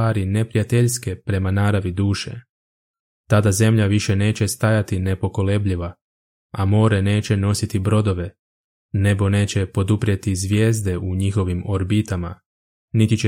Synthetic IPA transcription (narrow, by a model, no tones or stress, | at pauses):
aːɾine̞pɾijat̪e̞ʎske̞pɾe̞manaːɾaʋid̪uːʃe̞̰ | t̪ad̪aze̞mʎaʋiʃe̞ne̞ːt͡ɕe̞st̪ajat̪ine̞po̞ko̞le̞bʎiʋa | amo̞ːɾene̞ːt͡ɕe̞no̞sit̪ibɾo̞d̪o̞ʋe̞ | ne̞bo̞ne̞ːt͡ɕe̞po̞d̪upɾjet̪izʋje̞ːzd̪e̞ʔuɲixo̞ʋimo̞ɾbit̪ama̰ | nit̪it͡ɕe